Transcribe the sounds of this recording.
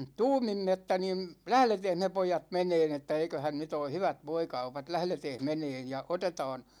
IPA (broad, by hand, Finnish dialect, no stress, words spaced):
tuːmimːe etːæ nim læhleteːh me poijɑt meneːn etːæ eikøhæn nyt oː hyʋæt ʋoikɑupɑt læhleteːh meneːn jɑ otetɑːn